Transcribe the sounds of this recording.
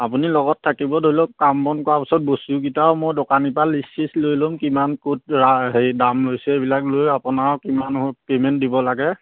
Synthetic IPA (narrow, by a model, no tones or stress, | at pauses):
apunilɔɡɔtʰːakibɔdoilɔkambɔnkɔapisɔt̚bostukitaʊmojdɔkanipalisislojlomkimankut̚ɹaɦedamlojsɛebilaklojapunaɹkimanɦpemɛntdibɔlaɡɛ